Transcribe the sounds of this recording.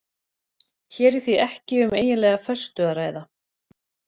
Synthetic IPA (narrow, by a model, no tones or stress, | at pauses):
çɛːɾɪ̥θiɛhcɪʏmeːjɪnlɛːɣafœst̪ʏaɾaːjða